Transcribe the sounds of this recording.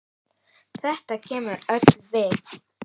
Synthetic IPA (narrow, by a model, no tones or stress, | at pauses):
θɛht̪acʰɛːmʏɾœt̪nvɛːk